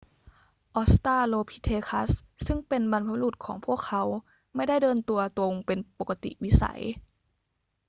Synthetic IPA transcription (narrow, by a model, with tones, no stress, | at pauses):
ʔɔː˧˥st̪aː˥˩loː˧pʰi˧˥t̪ʰeː˧kʰa˦˥ssɯ˥˩ŋpe˧nba˧npʰa˧luː˧˩t̪̚kʰɔ̰ː˩˦ŋpʰu˥˩əkʰːa˧˦w | ma˥˩jda˥˩jdɤː˧nt̪u˧ɐt̪o˧ŋpe˧npo˨˩kːa˧t̪ḭ˨˩wi˦˥sa̰˨˦j